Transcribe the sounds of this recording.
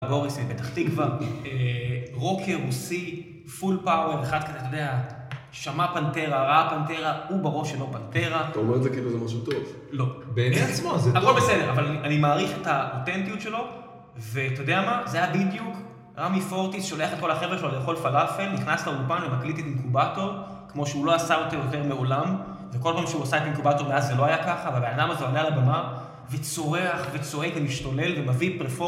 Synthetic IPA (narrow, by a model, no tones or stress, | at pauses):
ɡo̞ʁismibet̪aχt̪ikvaeʁo̞kʰeʁusi | fulpaoveχad̪̚kazet̪ojod̪ea | ʃamapante̞ʁaʁapante̞ʁaubaʁo̞ʃelo̞pant̪e̞ʁat̪aomeʁtzekiːluzemaʃut̪ov | lo̞beeneasmaakolbesedeʁavalaniʔanimaːʁiχetaote̞ntijutʃe̞lo̞ | ve̞t̪ojodeamazejabidjuk | ʁamifo̞ʁt̪isʃo̞leaχet̚ko̞lhaχe̞vʁeʃelolejaχo̞lfalafelniχnaslaulpanvemaklit̪etimkubato̞ʁ | kmo̞ʃeulo̞asaot̪ejote̞ʁme̞olam | veko̞lpaːmʃeuasaetimkubato̞ʁmeazːelo̞ajakaχaveabe̞nadamazoalealabama | ve̞t͡so̞ʁeaχvet͡so̞ekvemiʃtole̞lvemavipʁefo